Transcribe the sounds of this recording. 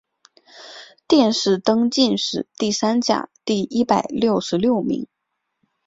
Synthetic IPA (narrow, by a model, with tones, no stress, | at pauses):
t̪jɛ˥˧nʂɻ̩˥˩t̪ɤ˥ŋt͡ɕi˥˧nʂɻ̩˥˨˩t̪i˥˩sa˥nt͡ɕja̰˨˩˦t̪i˥˩i˥pa˨˩ɪljo˥˩ʊʂɻ̩˧˥ljo˥˩ʊmḭ˧˥ŋ